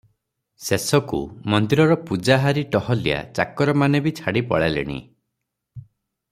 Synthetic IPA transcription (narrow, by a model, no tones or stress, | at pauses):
sesɔkṵmɔnd̪iɾɔɾɔpud͡ʒaɦaɾiʈɔhɔlija̰t͡ʃa̰kɔɾɔmanebit͡ʃʰaɽipɔɭalḛɽ̃ḭ